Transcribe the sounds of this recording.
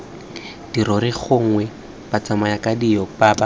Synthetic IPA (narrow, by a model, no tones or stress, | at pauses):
d̥iɾɔɾɪk͡xʰoŋ̩ŋwɛ | b̥at͡samajakadijɔpaːba